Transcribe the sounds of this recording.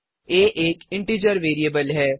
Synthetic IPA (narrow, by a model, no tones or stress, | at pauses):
eːʔeːkɪ̃ɳʈiːd͡ʒəɾʋeːɾieːbəlɦɛː